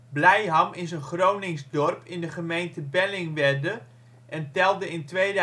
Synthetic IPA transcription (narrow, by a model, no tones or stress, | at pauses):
blɛjɦɑmɪsənχrownɪŋzdɔrpʰɪndəχəmejntəbɛlɪŋʋɛrdə | ʔɛntɛlˠdəɪntʋejd